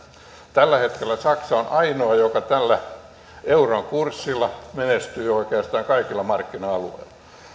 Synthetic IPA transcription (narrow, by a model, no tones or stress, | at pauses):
t̪ælːæhet̪kelːˑæsɑksɑonʔɑinoɑjokɑt̪ælːæ | euroŋkursːilːˑɑmenest̪yːoikeɑst̪ɑːŋkɑikilːɑmɑrkːinɑɑlṵḛilːˑɑ̥